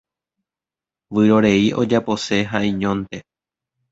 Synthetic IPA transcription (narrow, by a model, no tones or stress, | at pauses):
ʋɨɾo̞ɾe̞iʔo̞d͡ʒapo̞se̞ɦaĩɲõ̞nt̪e̞